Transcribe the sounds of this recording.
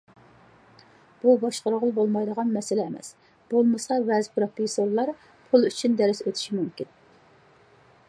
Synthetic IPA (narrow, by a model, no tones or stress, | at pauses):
b̥ubɑʃqəɾʁʊlˠbolˠmɑjd̪əʁɑnmɛsɪlɛːmɛ̰s | b̥olˠmɨsɑvɛzpʰɾopisoɾlːˠɑɾ | pʰulˠyt͡ʃʰynd̪ɛɾɪsøt̪ʰy̥ʃimymkʲin